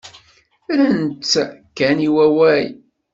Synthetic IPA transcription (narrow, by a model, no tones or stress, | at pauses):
ɾænt̪ːkːæniwæwæj